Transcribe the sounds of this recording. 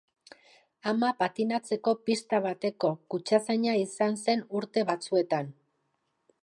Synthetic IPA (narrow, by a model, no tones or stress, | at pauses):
amapat̪inat͡se̞ko̞pist̪aβ̞at̪e̞ko̞kut͡ʃasaɲaisanse̞nuɾt̪e̞βat͡sue̞t̪an